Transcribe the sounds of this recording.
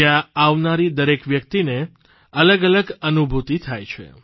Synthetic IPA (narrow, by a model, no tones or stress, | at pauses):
jaaʋnaɾid̪əɾekʋjək̚t̪ine | ələɡələɡənubʱut̪it̪ʰajt͡ʃʰḛ